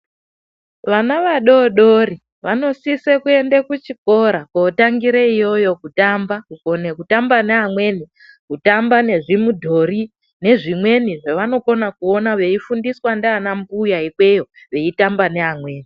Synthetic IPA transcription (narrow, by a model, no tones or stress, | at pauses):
ʋanaʋaɗo̞ɗori | ʋano̞sisekue̞ndekut͡ʃiko̞ɾakoːtaŋɡiɾeijo̞jo̞kutambakuko̞nekutambaneɦamwe̞ːni | kutambane̞ʐimudʱo̞ri | ne̞ʐimwe̞niʐeʋano̞ko̞nakuo̞naʋe̞ifundiswandeanambujaikwe̞jo̞ | ʋe̞itambaneɦamwe̞ːni